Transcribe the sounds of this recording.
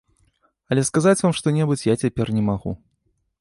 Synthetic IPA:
ɐlʲɛskazat͡sʲvamʂt̪ɔnʲɛbɨt͡sʲjat͡sʲapʲɛrnʲɛmaɣṵ

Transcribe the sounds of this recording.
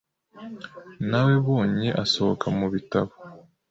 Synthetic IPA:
nawe̞βo̞ːɲeʔaso̞βokʰamuβitaβo

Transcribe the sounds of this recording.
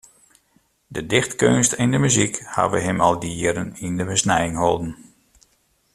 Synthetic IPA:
dədɪxtkønstɪndəmyzikha̰ʋəɦəmɑlˠdiəɾənindəbəsnɛjəŋhɔlˠdn̩

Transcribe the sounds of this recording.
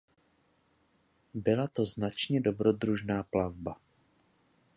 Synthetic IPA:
bɪlat̪o̞znat͡ʃɲɛdo̞bɾo̞d̪ɾuʒnaːplavba

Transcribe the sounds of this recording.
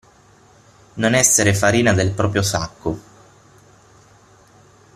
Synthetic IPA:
nonɛsːeɾefaɾiːnad̪elpɾɔːpɾjosakːo

